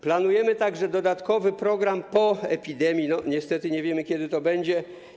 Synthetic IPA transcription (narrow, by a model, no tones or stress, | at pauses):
planujɛmɘt̪aɡʐɛd̪ɔd̪at̪kɔvɘpɾɔɡɾampɔɛpʲid̪ɛmʲjinɔɲɛst̪ɛt̪ɘɲɛvʲjɛmɘkʲɛd̪ɘt̪ɔbɛɲd͡ʑɛ